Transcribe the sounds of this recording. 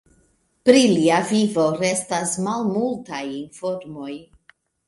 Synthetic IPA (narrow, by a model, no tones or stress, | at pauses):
pɾiliavivo̞ɾe̞stasmalmultajinfo̞ɾmo̞j